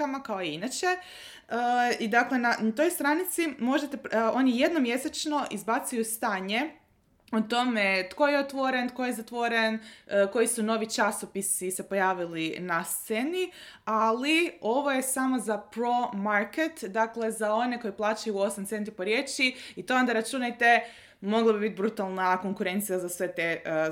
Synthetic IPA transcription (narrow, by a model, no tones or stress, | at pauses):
amakao̞iinat͡ɕe̞ | əid̪akle̞nanat̪o̞jst̪ɾanit̪simo̞ʒet̪eo̞nijed̪no̞mje̞set͡ʃno̞ʔizbat̪sijust̪aːɲe̞ | ut̪o̞met̪ko̞jeot̪ʋo̞ɾent̪̚ko̞jezat̪ʋo̞ɾe̞nko̞jisuno̞ʋit͡ʃasopisise̞po̞jaːʋilinast̪se̞nialio̞ʋoje̞samo̞zapɾo̞maɾke̞t̪d̪akle̞zao̞ne̞ko̞jiplˠaːt͡ʃajuo̞samt̪se̞nt̪ipo̞ɾje̞ːt͡ʃiit̪o̞ond̪aɾat͡ʃunajt̪e̞ | mo̞ɡlˠabibit̪̚ʲbɾut̪alˠnako̞ŋkuɾe̞nt̪sijazasʋe̞t̪e̞